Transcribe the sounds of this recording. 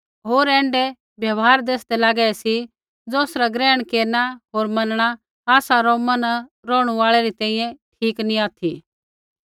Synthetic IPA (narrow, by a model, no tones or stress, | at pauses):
ɦoːɾɛ̃ːɳɖe | bjɐʋɦaːɾd̪eːsd̪elaːɡɛɛsi | d͡zɔːsɾaɡɾɛːɽ̃keːnaɦoːɾmɐnɽ̃a | aːsaɾɔmɐnɾɔːɽ̃uʋaːɭɛɾit̪ɛ̃ːĩjɛ̃ʈʰiːkniaːt̪ʰi